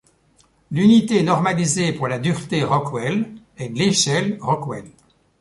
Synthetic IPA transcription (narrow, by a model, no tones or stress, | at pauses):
lynit̪enɔʁmalizepuʁlad̪yʁt̪eʁɔkwɛl | ɛleʃɛlʁɔkwɛl